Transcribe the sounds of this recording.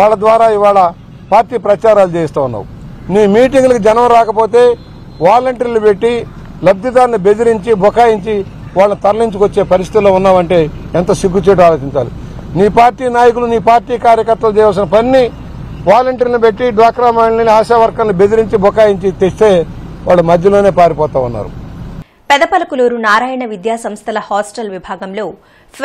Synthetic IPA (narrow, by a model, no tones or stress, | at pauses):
ʋaːɭːɐd̪ʋaːɾaːiʋaːɭɐ | paːɾʈiːpɾɐt͡ʃaːɾaːlut͡ʃeːjɐst̪aːunːa̰ːwu | niːmiːʈiŋɡlɐukid͡ʒɛnɐmɐɾaːkɐpo̞ːt̪e̞ː | ʋaːlɐɳʈɐɾilnipe̞ʈːi | lɐb̚d̪it̪aːɾnibe̞d̪iɾiɲt͡ʃibʱɔkaːjiɲt͡ʃi | ʋaːɭːɐnit̪ɐɾliɲt͡ʃukot͡ʃːe̞ːpɐɾist̪i̥t̪ilo̞ːunːaːʋɐɳʈe̞ːɛnt̪ɐsiɡːut͡ʃeːʈuaːloːt͡ʃiɲt͡ʃa̰ːlḭ | niːpaːɾʈiːnaːjɐkuluniːpaːɾʈiːkaːɾjɐkɐɾt̪ːɐlut͡ʃɛːjʋaːls̬inɐpɐnːi | ʋaːlɐɳʈɐɾnibeʈːiɖʋaːkɾaːmaːnɐniiaːʃaːʋɐɾkaːnnibe̞d̪iɾiɲt͡ʃibʱɔkaːjiɲt͡ʃit̪est̪e̞ːʋaːɭːumɐd̪ʱjɐloːne̞ːpaːɾipɔːt̪aːʋunːa̰ːɾṵ | pɛd̪ɐpɐlɐkuloːɾunaːɾaːjɐɳɐʋid̪jaːsɐmst̪ʰɐlɐhaːsʈɐlʋibʱaːɡɐmlo̞ː